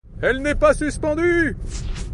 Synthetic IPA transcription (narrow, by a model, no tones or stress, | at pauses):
ɛlnɛpasyspɑ̃d̪y